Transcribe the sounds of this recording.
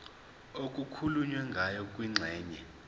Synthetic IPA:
okʼukʰuluɲwɛŋɡʱajɔkʼwiŋ͡ǀʱɛːɲɛ

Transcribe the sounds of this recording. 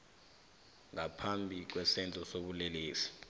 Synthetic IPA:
ŋapʰambʱik̬wɛsɛnd͡ɮʱʼɔsoɓuleliːsi̥

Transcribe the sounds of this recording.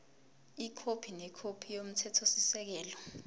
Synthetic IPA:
ikʰopʰinɛkʰopʰijom̩tʰɛtʰosisɛk̬ɛːlɔ

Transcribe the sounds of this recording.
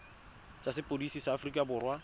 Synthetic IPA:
t͡ʃʼasɪpʼodisisaːfrikʼabʊːrwa

